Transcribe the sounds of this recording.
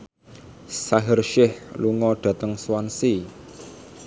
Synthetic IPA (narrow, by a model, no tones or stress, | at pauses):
saɦərʃɪhluŋɔɖ̪̥ä̤t̪əŋswansi